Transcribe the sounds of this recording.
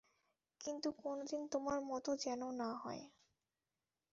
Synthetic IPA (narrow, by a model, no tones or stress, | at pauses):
kint̪ukonod̪int̪omaɾmɔt̪od͡ʑɛnonaɦɔ̰e